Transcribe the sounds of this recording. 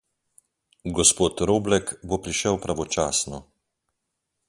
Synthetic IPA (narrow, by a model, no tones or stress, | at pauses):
ɡɔspoːt̪ɾoːblɛkbopɾiʃɛwpɾaʋɔt͡ʃaːsnɔ